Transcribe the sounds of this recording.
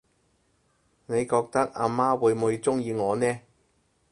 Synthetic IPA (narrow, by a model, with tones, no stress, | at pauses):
ne˨˧jkɔː˧k̚t̪ɐ˥k̚a̰ː˧maː˥wuː˨˧jmuː˨˧jt͡sʊ˥ŋjiː˧ŋɔː˨˧nɛː˥